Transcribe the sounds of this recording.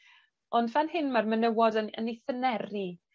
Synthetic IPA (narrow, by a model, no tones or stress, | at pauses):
ɔndvanɦɪnmarmənəwɔdəəniθənɛri